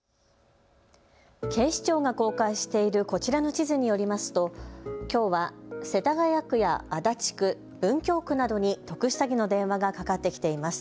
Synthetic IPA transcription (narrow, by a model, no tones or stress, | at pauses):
ke̞ːɕi̥t͡ɕo̞ːɡako̞ːkaiɕi̥t̪e̞iɾɯ̟ko̞t͡ɕiɾano̞t͡ɕizɨɲ̟ijo̞ɾʲimasɨ̥t̪o̞kʲo̞ːβase̞t̪aɡajakɯ̟jaːd̪at͡ɕi̥kɯ̟ | bɯ̟̃ŋkʲo̞ːkɯ̟nad̪o̞ɲ̟it̪o̞kɯ̟ɕi̥saɡʲino̞d̪ẽ̞ɰ̃βaɡakakat̪ːe̞kʲi̥t̪e̞imasɨ̥